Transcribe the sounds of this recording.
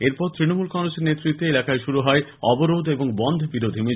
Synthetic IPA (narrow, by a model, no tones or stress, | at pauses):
eɾpɔɾt̪ɾinomulkɔŋɾoseɾnet̪ːɾit̪ːeelakaeʃuɾuɦɔeɔboɾod̪eboŋbɔnd̪ʱbiɾod̪ʱimi